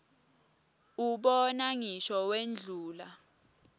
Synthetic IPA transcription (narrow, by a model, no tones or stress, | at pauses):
uɓɔnaŋiʃɔwend͡ɮʱuːla